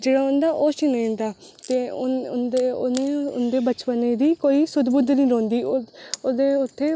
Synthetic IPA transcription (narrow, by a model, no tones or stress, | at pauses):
d͡ʒeːɽaːʊnd̪aːʔoːʃiñːnd̪aːt̪eːʊeʊneːʊ̰nd̪eːbət͡ʃpəneːd̪iːkoːiːsʊd̪bʊd̪nĩːɾõːnd̪iːoːd̪eːʊt̪ʰːeː